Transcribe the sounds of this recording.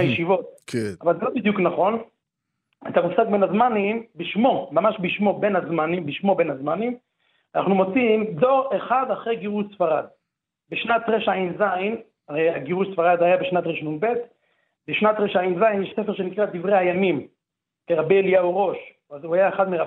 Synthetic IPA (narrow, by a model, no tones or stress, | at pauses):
ajeʃivo̞t̪̚kavalzelobid̪juknaχo̞n | et̪amusaɡ̚benazmanimbiʃmo̞mamaʃbiʃmo̞benazmanimbiʃmo̞benazmanim | ana̰χnumot͡simd̪oʁeχad̪aχʁejɡiʁuʃsfaʁad̪ | beʃnat̪ʁeʃainzajn | aʁejaɡiʁuʃsfaʁad̪hajabeʃnat̪ʁeʃnunbet̪ | beʃnat̪ʁeʃajinzajnjeʃsefeʁʃenikʁad̪ivʁejhajamim | keʁabeelijauʁo̞ʃ | azuhajaeχad̪meʁa